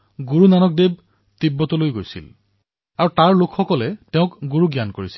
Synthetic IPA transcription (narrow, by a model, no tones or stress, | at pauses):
ɡuɹunanɔk̚deb̚ | t̪ibːɔtɔlojɡojsḭl | aɹutaɹlokʰxɔkɔlɛtɛʊ̃kɡuɹuɡjankoɹisi̥l